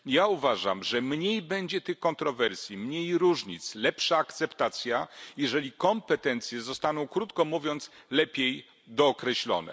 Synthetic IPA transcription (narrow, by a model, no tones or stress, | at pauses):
jauvaʐa̰mʐɛmɲejbɛɲd͡ʑɛt̪ɘxkɔnt̪ɾɔvɛɾsʲjimɲejɾuʐɲit̪slɛpʂaːkt̪sɛpt̪at̪sʲjajɛʐɛlʲikɔmpɛt̪ɛnt̪sʲjɛzɔst̪anɔ̃w̃kɾut̪kɔmuvʲjɔnt̪slɛpʲjej | d̪ɔːkɾɛɕlɔ̰nɛ̰